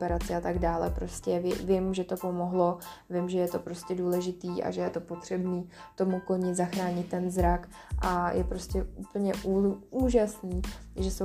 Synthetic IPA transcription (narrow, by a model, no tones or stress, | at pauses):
pɛɾat͡sɪat̪aɡdaːlɛ̰pɾo̞scɛvɪvɪmʒɛt̪o̞po̞mo̞ɦlo̞vɪmʒɛjɛt̪o̞pɾoscɛduːlɛʒɪt̪iːʔa̰ʒɛjɛt̪o̞po̞t̪r̝̥ɛbniː | t̪o̞mukl̩ɲɪzaxɾaːɲɪt̪̚ːɛnzɾak | ʔajʔɛpɾo̞scɛuːpl̩ɲɛʔuuːʒasniːʒɛso